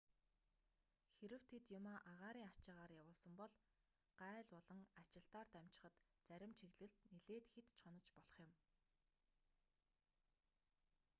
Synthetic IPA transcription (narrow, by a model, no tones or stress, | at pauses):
xeɾɘ̆w̥t̪ʰet̪jʊmoːʔaʁaːɾiːŋat͡ɕɪ̆ʁaːrjawʊːɮsə̆mpɔɮ | ɢ̥æːɮɔɮɞ̆ŋat͡ɕɪ̆ɮt̪aːrt̪æmt͡ɕɪ̥̆χə̆t̪t͡sæɾʲɪ̆mt͡ɕʰiɣɮɘ̆ɮt̪neɮeːt̪xet̪t͡ɕʰχɔnɞ̆t͡ɕpɔɮɞ̆χjɪ̆m